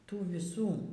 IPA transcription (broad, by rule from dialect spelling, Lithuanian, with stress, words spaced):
ˈtuː ʋʲɪˈsuː